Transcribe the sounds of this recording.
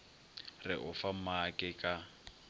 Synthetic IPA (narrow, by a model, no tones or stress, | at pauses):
rɪ̰ʔʊfamakʼɪkʼa